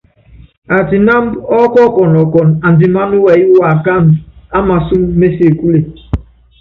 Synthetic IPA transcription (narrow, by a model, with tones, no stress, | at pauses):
a˨tɪ˨na˦m̩˦ɔ˦kɔ˦kɔ˨nɔ˨kɔ˨n̩˨a˨n̩˨dɪ˨ma˦nu˦wɛ˨i˦wa˨ka˦˨m̩˨a˦ma˨su˦m̩˦me˦si˦e˨ku˦le˨